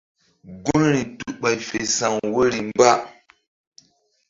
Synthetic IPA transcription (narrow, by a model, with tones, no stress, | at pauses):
ɡu˦nɾi˨tu˨ɓa˨jfe˨sa˨ŋwo˦ɾi˨mba˦